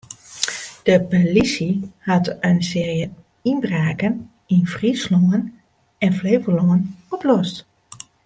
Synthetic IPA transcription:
d̥əpolisihɑtənsɪːrjə | inbraːkən | ɪnfrisloŋən | ɛnfleːvəloŋənɔplɔst

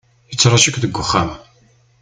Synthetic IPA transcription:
ət͡sːɾˤɑʃəkʷðəɡʷːʊχːam

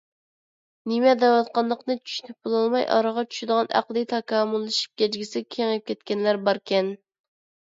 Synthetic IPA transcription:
nɪmɛd̪ɛwɑt̪qɑnlˠəqnɨt͡ʃʰy̥ʃynyp̚bolˠɑlˠmɑjʔɑ̰ɾəʁɑt͡ʃʰy̥ʃyd̪əʁɑnʔæ̰qlˠɨt̪ʰɑkɑːmulˠːɨʃi̥p̚kʲɛd͡ʒɡʲisɪkʲʰeŋɨp̚kʲɛt̪̚kʲɛnlæɾbɑɾkʲʰɛn

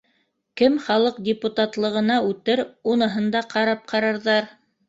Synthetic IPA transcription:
kɘmχɑlˠɤq̚dʲɪput̪at̪lˠɤ̆ʁɤ̆nɑʉt̪ɘɾunɤ̆ɦɤ̆nd̪ɑqɑɾɑp̚qɑɾɑɾðɑɾ

